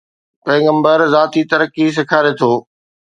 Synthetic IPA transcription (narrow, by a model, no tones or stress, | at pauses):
peːɡə̃mbəɾzaːt̪it̪ɐɾəkis̬ɪkʰaːɾet̪ʰoː